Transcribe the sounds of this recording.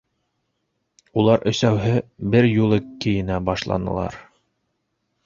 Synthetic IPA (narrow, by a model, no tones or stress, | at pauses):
ulˠɑɾʔɵ̆sæwɦɘbɘɾjulˠɤkːɘ̆jɘ̆næbɑʃlˠɑ̰nɤ̰̆lˠɑ̰ɾ